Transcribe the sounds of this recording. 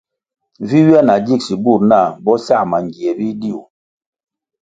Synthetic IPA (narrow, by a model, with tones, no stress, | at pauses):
vi˦wja˦na˨d͡ʒi˦˨k̚si˨bu˦˨ɾna˦˨bɔ˦sa˦˨ma˨ŋ˨ɡi˨ɛ˨bi˦di˦˨u˨